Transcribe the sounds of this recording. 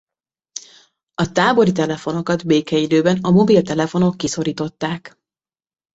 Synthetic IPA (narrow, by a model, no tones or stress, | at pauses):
ɒt̪aːboɾit̪ɛlɛfo̞no̞kɒd̪beːkɛid̪øːbɛnɒmo̞bilt̪ɛlɛfo̞no̞kːiso̞ɾiːt̪o̞t̪ːaːk